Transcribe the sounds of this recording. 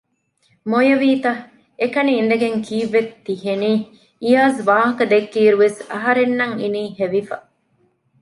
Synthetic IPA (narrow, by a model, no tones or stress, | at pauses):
mojɐʋiːt̪ɐ | ekɐniːnd̪ɐɡeŋkʰiːʋːet̪ːiɦeniː | ijaːzʋaːɦɐkɐd̪ekːiːɾuʋesɐɦɐɾenːɐŋḭniːheʋifɐ̰